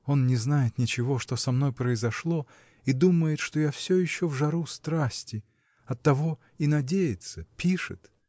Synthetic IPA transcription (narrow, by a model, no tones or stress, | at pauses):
o̞nnʲɪznajɪt̪nʲɪt͡ɕɪvo̞ʂt̪o̞sɐmno̞jpɾəɪzɐʂlˠo | id̪uməjɪt̪ʂt̪o̞jafsʲojɪɕːovʐɐɾust̪ɾasʲtʲɪ | ɐt̪ːɐvo̞ | inɐdʲejɪt̪səpʲiʂɨ̰t̪